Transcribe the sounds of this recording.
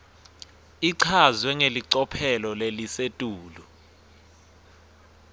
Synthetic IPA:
iǀʰazwɛŋeliǀɔpʰɛlɔlelisetʼuːlu

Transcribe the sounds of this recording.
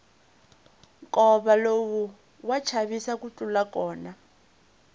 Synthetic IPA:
kʼɔβalowu | wat͡ʃʰaβisakut͡ɬʼulakʼɔːna

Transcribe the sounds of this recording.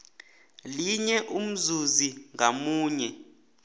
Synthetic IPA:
liɲɛʔum̩zuziŋʱamuːɲɛ

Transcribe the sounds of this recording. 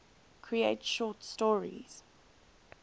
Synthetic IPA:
kʰɹieɪtʃɔːˑtstɔɹḭz̥

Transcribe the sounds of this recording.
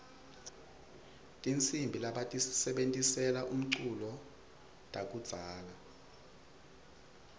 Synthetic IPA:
tʼint͡sʼimbʱilaɓatʼisisɛɓentʼisɛlaʔum̩ǀulɔ | tʼak̬ʼud̥z̥ʱaːla

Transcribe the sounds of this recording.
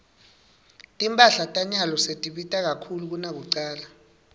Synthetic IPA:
tʼimpʼaɬatʼaɲalɔsetʼiɓitʼak̬akʰuluk̬unak̬uǀaːla

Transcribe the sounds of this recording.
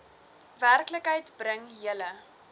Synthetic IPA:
værkləkɦəjtbrəŋɦiələ

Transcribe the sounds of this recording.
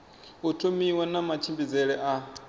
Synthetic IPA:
utʰomiwanamat͡ʃʰimbid͡zɛɺɛʔa

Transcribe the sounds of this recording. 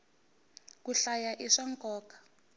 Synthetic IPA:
kuɬajaʔiʂaŋkɔːkḁ

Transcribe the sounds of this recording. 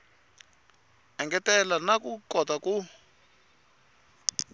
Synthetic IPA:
ɛŋɡɛtɛlanakukɔtaku

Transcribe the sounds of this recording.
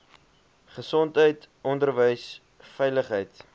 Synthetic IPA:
χəsɔntɦəjtʔɔndərvəjs | fɛjləχɦəjt

